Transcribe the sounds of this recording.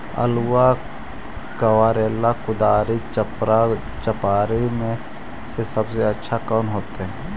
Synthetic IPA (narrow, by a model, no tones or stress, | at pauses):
ə̰luwa | kəwaːɾeːlːakʊd̪aːɾit͡ʃpɾa | t͡ʃəpaːɾimẽ | sesəbseətːʃʰakɔːnɦoːt̪eɦɛ̃ː